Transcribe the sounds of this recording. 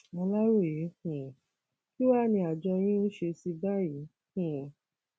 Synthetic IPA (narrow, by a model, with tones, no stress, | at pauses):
mɔ̃˧la˦ɾo˦˨je˨˦hũ˨ | ki˦wa˦˨nĩ˧˦a˨d͡ʒɔ˧j̃ĩ˦o˦ʃe˧si˧ba˦˨ji˨˦ | hũ˨